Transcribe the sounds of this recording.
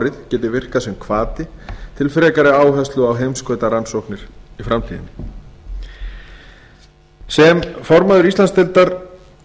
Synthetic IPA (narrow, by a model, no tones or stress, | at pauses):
ɾɪðcɛːt̪ɪvɪr̥kasɛmkʰvaːt̪ɪt̪ʰɪlfɾɛːkaɾɪaːwɦɛst̪lʏawɦejmskœːɥt̪aɾansowhknɪɾ̥ifɾamt̪ʰḭːðɪ̰n | sɛmfɔɾmaðʏɾist̪anst̪ɛlt̪aɾ